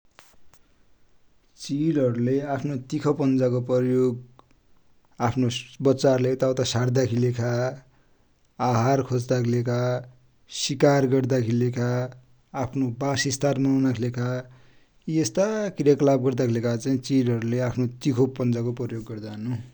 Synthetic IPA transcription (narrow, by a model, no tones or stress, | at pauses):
t͡silʌɾuleapʰnot̪ikʰʌpʌnd͡zakoprʌjoɡ | apʰnobʌt͡sarlet̪awt̪asard̪akʰilekʰa | ɦarkʰod͡zd̪akʰilekʰa | sikarɡʌrd̪akʰilekʰaː | pʰnobasist̪armʌwnakʰilekʰa | iest̪akrjaklab̚ɡʌrd̪akʰilekʰat͡saĩt͡siɖʌɾuleapʰnot̪ikʰopʌnd͡zakoprʌjoɡːʌrd̪anu